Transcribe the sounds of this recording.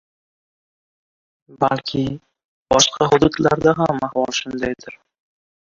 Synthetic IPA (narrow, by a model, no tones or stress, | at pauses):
balkʲʰɪ | b̥ɒʃqʰɑɦʊd̪ut̪laɾd̪aɦamahvɒlˠʃʊnd̪ajd̪ɪɾ